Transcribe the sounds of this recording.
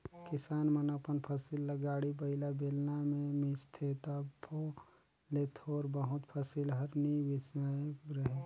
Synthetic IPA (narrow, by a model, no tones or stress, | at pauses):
kɪsaːnmənapənpʰəsɪlːəɡaːɽibɐɪlabeːlnamẽmɪst̪ʰet̪apʰo | let̪ʰoːɾbəɦʊt̪pʰəsɪlɦəɾniʋɪsaɾɐɦe